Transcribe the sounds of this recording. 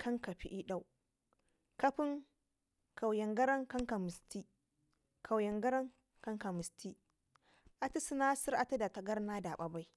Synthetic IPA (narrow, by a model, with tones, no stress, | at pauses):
kʰɐ˦ŋka˨ɸi˦ʔi˦ɗa˦˨w | kɐ˦ɸɪ˦ŋ | ka˨wjɐ˨ŋɡɐ˦ɾɐ˦ŋkɐ˦ŋka˨mɪ˨stiː˦ | kʰa˨wjɐ˨ŋɡɐ˦ɾɐ˦ŋ | kɐ˦ŋka˨mɪ˨sti˦ | ʔa˨ti˦su˦naː˦sɪ˦ɾʔa˦ta˦da˨ta˨ɡɐ˦rnaː˦da˨ɓa˨ba˦j